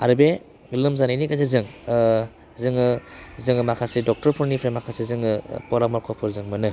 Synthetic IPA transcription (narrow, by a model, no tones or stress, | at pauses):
aɾɯbe | lɯmzanajnikazezɯŋ | zɯŋɯzɯŋɯmakʰasedɔk̚tɔɾpʰuɾnipʰɾemakʰasizɯŋɯpɔɾamɔɾkʰɔpʰɔɾzɯŋmɯnɯ